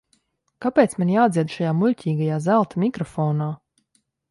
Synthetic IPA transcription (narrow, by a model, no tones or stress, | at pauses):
kapʲɛːt̪smanjaːd̪zʲiɛd̪ʃajaːmulʲcʲiːɡajaːzælˠt̪amʲikɾɔfɔːnaː